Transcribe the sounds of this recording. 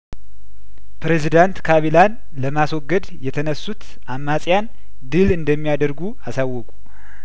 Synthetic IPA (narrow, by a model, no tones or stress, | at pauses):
pɾezid̪ant̪kʰaβilan | ləmaswɔɡːəd̪jɛt̪ʰənəsːut̪ | ʔamːasʼjan | d̪ɨlɨnd̪əmːijad̪əɾɡuasawːɔkʼu